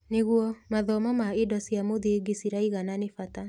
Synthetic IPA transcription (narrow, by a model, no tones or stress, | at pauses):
neɣuɔmaðɔmɔmaedɔsiamoðieɡesiɾaiɣananefata